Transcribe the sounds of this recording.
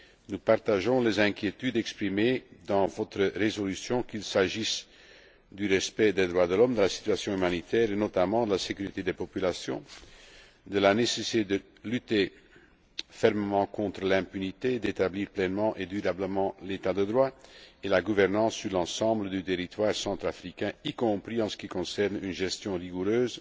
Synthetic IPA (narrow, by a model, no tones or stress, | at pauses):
nupaʁt̪aʒɔ̃lezɛ̃kʲjet̪yd̪ɛkspχimed̪ɑ̃vɔt̪χəʁezɔlysjɔ̃kilsaʒis | d̪yʁɛspɛd̪ed̪ʁwad̪əlɔmd̪əlasi̥t̪ɥasjɔ̃ymanit̪ɛːʁenɔt̪amɑ̃d̪əlasekyʁit̪ed̪epɔpylasjɔ̰̃ | d̪əlanesesit̪ed̪ə | lyt̪e | fɛʁməmɑ̃kɔ̃t̪ʁəlɛ̃pynit̪ed̪et̪abliːʁplɛnmɑ̃ʔed̪yʁabləmɑ̃let̪ad̪əd̪ʁwaelaɡuvɛʁnɑ̃sːyʁlɑ̃sɑ̃bləd̪yt̪eʁit̪waːʁsɑ̃t̪χafʁikɛ̃ikɔ̃pʁiɑ̃sə̥kʲikɔ̃sɛʁnynʒɛst̪jɔ̃ʁiɡuɾøːz